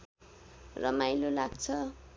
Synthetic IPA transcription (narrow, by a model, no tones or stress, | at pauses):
rʌmajlolaɡt͡sʰʌ